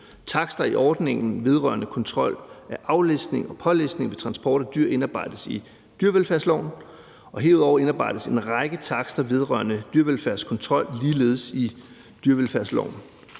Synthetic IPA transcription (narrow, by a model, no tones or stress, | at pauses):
t͡sʰɑ̈ɡ̥sd̥ɐiʔɒːd̥ne̝ŋn̩ʋe̝ð̞ˠʁɶɐnəkʰɒ̽nt͡sʰʁɒ̽l̰æʔɑ̈ʊlesd̥ne̝ŋɒ̽pʰɒ̽lesd̥ne̝ŋʋe̝t͡sʰʁɑ̈nsb̥ɒːɾ̥ɒd̥yɐ̰e̝nɑːb̥ɑ̈ɪ̰d̥əsi | d̥yɐʋelfæɐslɒ̰ʊ̰n | ɒ̽ɦe̝ɐuðˠɒʊ̰ɐe̝nɑ̈ːb̥ɑ̈ɪd̥əse̝nʁɑ̈ɪɡ̥ət͡sʰɑ̈ɡ̥sd̥ɐʋe̝ð̞ˠʁɶ̰ɐnəd̥yɐʋelfæɐ̰skʰɒ̽nt͡sʰʁɒ̽l̰liːle̝ːð̞̩ˠəsi | d̥yɐʋelfæɐ̰slɒ̰ʊn